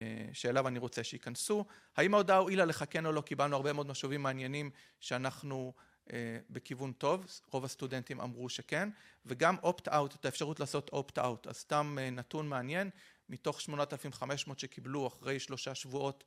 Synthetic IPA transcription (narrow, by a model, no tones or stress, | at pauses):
ʃeːlavaniʁo̞t͡seʃeikansuhaimaodauilale̞χake̞no̞lo̞kibalnuaʁbe̞meo̞d̪maʃuvimːeːnje̞nim | ʃeanaχnu | ʔebekivunto̞vʁo̞vastude̞ntima̰mʁuʃe̞ke̞nveɡamʔo̞ptawtetaefʃaʁutlaːso̞tʰopta̰wta̰z̥stamenatunmeanje̞nmito̞χʃmo̞notelafimχame̞ʃmo̞t̪ʃekibluaχʁe̞jʃlo̞ʃaʃvuo̞t